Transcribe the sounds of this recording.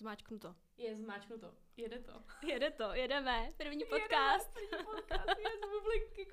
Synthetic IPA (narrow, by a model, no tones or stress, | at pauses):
zmaːt͡ʃknut̪o | jɛzmaːt͡ʃknut̪o | jɛdɛt̪ojɛdɛt̪ojɛdɛmɛpr̩vɲiːpokaːst̪ɲpoat̪publɪkkːɪ